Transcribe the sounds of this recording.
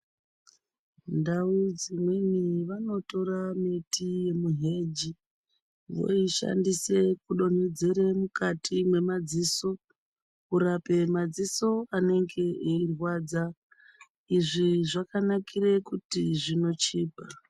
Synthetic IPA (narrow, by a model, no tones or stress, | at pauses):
ndaud͡zimweniʋano̞to̞ɾametije̞muɦe̞d͡ʒi | ʋo̞̰iʃa̰ndise̞kuɗo̞ned͡zeɾe̞mukatʰimwe̞mad͡ziːso̞ | kuɾape̞mad͡ziso̞ane̞ŋɡe̞ʔeirwaːd͡za | iʐiʐakanakʰire̞kutiʐino̞t͡ʃiːpa